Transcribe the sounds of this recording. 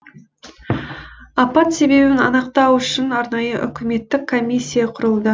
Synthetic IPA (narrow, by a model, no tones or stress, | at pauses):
ɑpɑt̪se̞be̞bɪnɑ̰nəqt̪ɑwʏʃɪnɑɾnɑjəʔʏ̰kʲɪme̞t̪ːɪkʰːo̞mʲisʲːijaqʰʊɾəlˠd̪ə